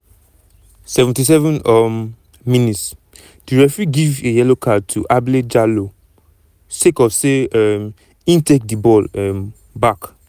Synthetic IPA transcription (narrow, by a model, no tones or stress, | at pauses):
sɛvɛ̃ntis̬ɛvɛ̃nɔm | minits | diɹɛfɹiɡivejɛlokʰad̚tʰuʔabled͡ʒalo | sekɔfseɛm | ĩntek̚dibɔlɛm | bak